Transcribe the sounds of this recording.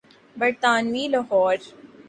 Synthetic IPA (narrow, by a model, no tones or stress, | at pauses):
bɐɾt̪aːnʋiːlɐɦɔːɾ